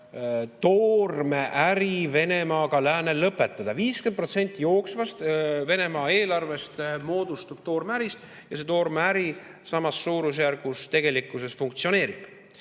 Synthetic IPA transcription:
t̪o̞ːrme̞ʔæɾive̞ne̞mɑːɡ̥ɑlæːnelːɤpːˑe̞t̪ːˑɑd̪̥ɑviːskend̪pro̞t̪se̞nʲt̪ˑːijo̞ːksvɑst̪ve̞ne̞mɑːe̞ːlɑrve̞st̪mo̞ːd̪ust̪ub̥̚t̪o̞ːrmæɾist̪ | jɑse̞t̪o̞ːrmeæɾi | sɑmɑsːuːɾus̬jæɾɡust̪e̞ɡe̞likːˑuse̞sfuŋkt̪sio̞ne̞ːɾib̥

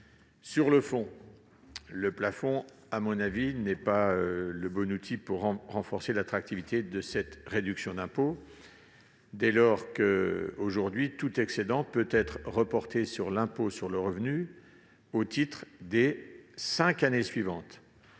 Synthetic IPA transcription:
syʁləfɔ̃ | ləplafɔ̃ | amɔ̃navinɛpaøləbɔnut̪ʰipuʁːɑ̃ʁɑ̃fɔʁselat̪χak̚t̪ivit̪ed̪əsɛt̪ʁed̪yksjɔ̃d̪ɛ̃po | d̪ɛlɔʁkəoʒuʁd̪ɥit̪ut̪ɛksed̪ɑ̃pøt̪ɛt̪χʁəpɔʁt̪esyʁlɛ̃posyʁləʁəvny | ot̪it̪χd̪esɛ̃kanesɥivɑ̃t̪

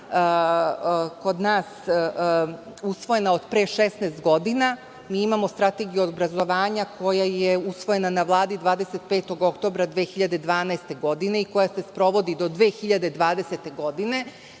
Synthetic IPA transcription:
ko̞d̪naːs | usʋo̞je̞nao̞d̪pɾeʃesnest̪̚ɡo̞d̪ina | miːimamo̞st̪ɾat̪eɡijuobɾazo̞ʋaːɲakʰo̞jajeusʋo̞je̞nanaʋlˠaːd̪id̪ʋaːd̪ese̞t̪̚peːt̪o̞ɡo̞kt̪o̞bɾad̪ʋeːxiʎad̪e̞d̪ʋaːnaest̪e̞ɡo̞d̪ine̞iko̞jase̞spɾo̞ʋo̞d̪id̪o̞d̪ʋeːxiʎad̪ed̪ʋaːd̪e̞set̪e̞ɡo̞d̪ine̞

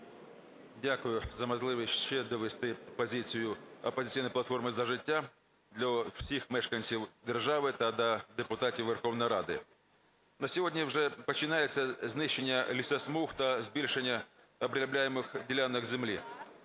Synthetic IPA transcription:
dʲakʊjʊzɐmɐzlˠɪʋʲɪɕɕɛd̪əʋʲɪst̪ɪpɐzʲisʲɪjʊɐpɐzʲɪt̪ʲijnəjplˠɐt̪fo̞rmɨzɐʐɪtʲːa | d̪lʲɐfsʲixmɛʂkɐnʲsʲiwd̪ʲərʐaʋɨt̪ad̪ɐd̪ɛpʊt̪atʲɪʋɛrxovnɐjɾad̪ɪ | nɐsʲɪvodʲnʲəwʐɛpɐt͡ɕːɪnʲajɪt̪sɐznɪɕːɪnʲjəlʲɪsɐsmuxt̪ɐzʲbʲilʲʂɪnʲːɐ | ɐbɾʲlʲɪblʲæjɪmɨxdʲɪlʲanːɐɣzʲɪmlʲi

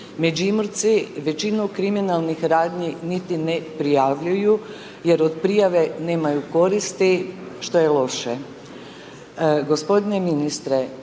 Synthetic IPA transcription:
med͡ʒimoɾt̪siʋe̞t͡ʃinukɾiminalˠnixɾaːd̪ɲinit̪inepɾijaʋʎuju | je̞ɾod̪pɾijaʋe̞ne̞ːmajuko̞ɾist̪iʃt̪o̞jelˠo̞ʃe | ɡo̞spo̞d̪ine̞minist̪ɾe

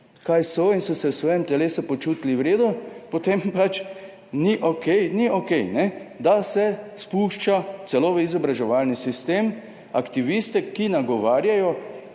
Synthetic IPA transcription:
kajsɔinsɔsɛwsʋɔːjɛmt̪ɛleːsupɔt͡ʃuːt̪liwɾeːd̪upɔt̪empat͡ʃ | niʔokɛjniokɛjnɛd̪asɛspuːʃt͡ʃat̪sɛloːʋəizɔbɾaʒɛʋaːlnisist̪eːm | akt̪iʋist̪ɛkinaɡɔʋaːɾjajɔ

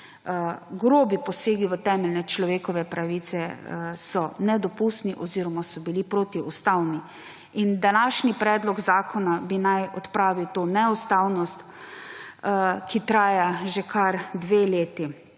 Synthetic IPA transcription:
ɡɾoːbipɔseːɡiʋət̪ɛːmɛlnɛt͡ʃlɔʋeːkɔʋɛpɾaʋit̪sɛsɔnɛd̪ɔpust̪niʔɔziːɾɔmasɔbilipɾoːt̪iust̪awni | ind̪anaʃnipɾɛːd̪lɔɡzaːkʰɔnabinajɔt̪pɾaːʋiwt̪oːnɛust̪awnɔst̪ | kʰit̪ɾaːjaʒekʰaɾd̪ʋeːleːt̪i

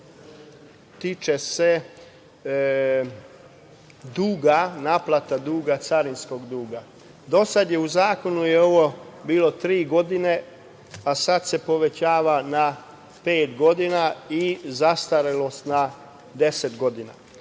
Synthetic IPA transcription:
t̪it͡ʃese̞ | d̪uːɡanaːplˠat̪ad̪uːɡat̪saɾinsko̞ɡd̪uːɡa | d̪o̞sad̪je̞uzaːko̞nujeo̞ʋo̞biːlo̞t̪ɾiːɡo̞d̪ine̞ | asad̪se̞po̞ʋe̞t͡ɕaːʋana | pe̞ːt̪ɡo̞d̪inaizast̪aɾelo̞st̪na | d̪e̞set̪ɡo̞d̪ina̰

